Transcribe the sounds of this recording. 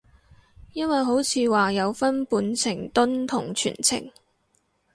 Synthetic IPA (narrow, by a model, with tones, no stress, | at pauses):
jɐ˥nwɐ˨jɦo˨˥wt͡sʰiː˨˧waː˨jɐ˨˧wfɐ˥npuː˨˥nt͡sʰɪ˨˩ŋt̪ʊ˥nt̪ʰʊ˨˩ŋt͡ʃʰy̰ː˨˩nt͡sʰɪ̰˨˩ŋ